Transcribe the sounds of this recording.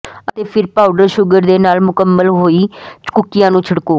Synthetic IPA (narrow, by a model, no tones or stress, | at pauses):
ət̪eːpʰɪɾpaːʊɖəɾʃʊɡəɾd̪eːnaːlmʊkəmːəlɦoːiːt͡ʃkʊkːɪjãːnũːt͡ʃʰəɽkoː